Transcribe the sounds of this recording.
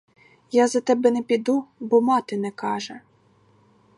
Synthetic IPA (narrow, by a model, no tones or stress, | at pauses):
jɑzɐt̪ɛbɛnɛpʲid̪ubɔmɑt̪ɪnɛkɑʒɛ